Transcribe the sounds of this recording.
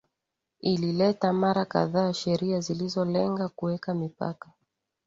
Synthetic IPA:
ililɛtamaɾaka̰ðaːʃɛɾiazilizɔlɛŋɡakuwɛkamipa̰kḁ

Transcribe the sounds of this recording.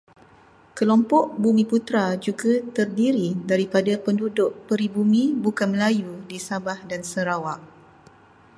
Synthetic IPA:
kəlɔmpɔʔbumĩput̪ɾad͡ʒuɡat̪ərdiɾidaɾipadapəndudʊʔpəɾibumĩbukanməlajudisabahdansəɾawaʔ

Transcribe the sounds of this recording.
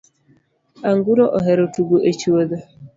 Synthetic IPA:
aŋɡuɾɔʔɔɦɛɾotuɡuʔet͡ʃiwoðo

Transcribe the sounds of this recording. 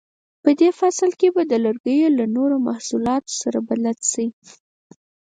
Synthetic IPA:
pəd̪efasəlkebad̪əlaɾɡəjolanoɾomahsulɑt̪o̥saɾabalalsai

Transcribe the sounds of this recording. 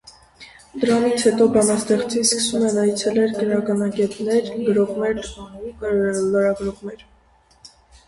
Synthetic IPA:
d̪əɾɑnit͡sʰhɛt̪ɔbɑnɑst̪ɛχt͡siskə̥sumɛnɑjt͡sʰɛlɛɾɡənɑkɑnɑɡɛt̪nɛɾɡəɾɔʁmɛɾ | ləɾɑɡɾɔʁnɛɾ

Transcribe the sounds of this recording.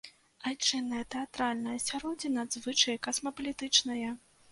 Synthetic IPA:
ajt͡ʂɨnːɐjɐt̪ɛat̪ɾalʲnɐjɐsʲaɾɔd͡zʲinɐd̪zvɨt͡ʂɐjɐkɐsmɐpɐlʲit̪ɨt͡ʂnɐjɐ

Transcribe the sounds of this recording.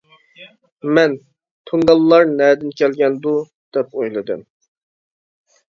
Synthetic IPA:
mɛn | t̪ʰoŋɡɑlˠːɑɾnɛːd̪ɪnkʲʰɛlɡʲɛnd̪u | d̪̥ɛpojlˠɨd̪ɨ̰m

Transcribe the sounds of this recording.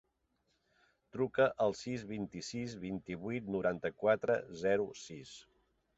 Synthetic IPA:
t̪ɾukəʔəlˠsizβint̪isizβint̪iβuit̪nuɾant̪əkwat̪ɾə̰zɛɾusis

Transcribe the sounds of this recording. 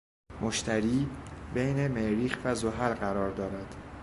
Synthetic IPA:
moʃt̪ʰæɾiːbejne̞meɾiːxvæzoɦælɢæɾɒːɾd̪ɒːɾæd̪̥

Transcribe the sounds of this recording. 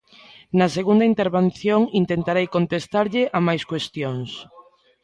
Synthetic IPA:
naseɣund̪aint̪eɾβen̟θjoŋint̪ent̪aɾejkont̪est̪aɾʎɪʔamajskwest̪joŋs

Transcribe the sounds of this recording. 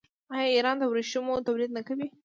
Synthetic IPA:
ɑjɑiɾɑnd̪əwɾeʃumot̪abɾid̪̚nakawi

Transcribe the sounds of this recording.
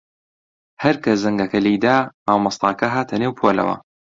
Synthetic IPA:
hɐɾkɐzɐŋɡɐkɐlijd̪aːmaːwmɐst̪ɑ̰ːkɐɦaːt̪ʰɐneːwpʰoːlɐ̰wɐ̰

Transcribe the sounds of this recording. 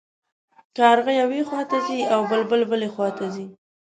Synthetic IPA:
kaaɾɣajawexwɑt̪aziawbəlbəlbəlexwɑt̪azi

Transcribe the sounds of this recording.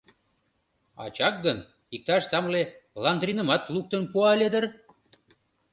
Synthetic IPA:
ɑ̰t͡ɕɑk̚ɡən | ik̚t̪ɑʃt̪ɑmlelɑnd̪rinə̆mɑt̪luk̚t̪ənpuɑlʲed̪ər

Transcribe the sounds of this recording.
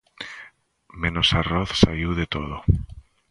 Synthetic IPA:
mẽnosaroθsaiwðet̪oð̞o

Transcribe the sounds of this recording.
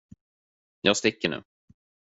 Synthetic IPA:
jʔɑːɡst̪ɪkːəɳʉ̟̰ː

